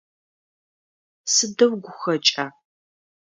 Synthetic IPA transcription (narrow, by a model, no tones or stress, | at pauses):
sɨdɐwɡʷʊxɐt͡ʃʼaː